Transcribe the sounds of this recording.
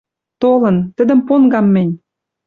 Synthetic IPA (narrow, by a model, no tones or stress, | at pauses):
t̪olə̆nt̪ə̆d̪ə̆mponɡɑmːɘ̆nʲ